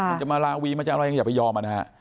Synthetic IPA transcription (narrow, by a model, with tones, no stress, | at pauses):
t͡ɕa˨˩maː˧laː˧wiː˧maː˧˥t͡ɕa˨˩ka˧ja˧ŋaː˨˩pːa˧jɔː˧mʔa˨na˦ɦa˦˥ʔ